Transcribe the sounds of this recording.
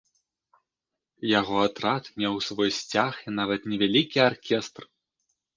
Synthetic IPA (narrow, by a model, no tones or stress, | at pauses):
jaɣɔat̪ɾat̪mʲɛwsvɔjsʲt͡sʲaxinavɐt̪nʲɛvʲalʲikʲiarkʲɛst̪r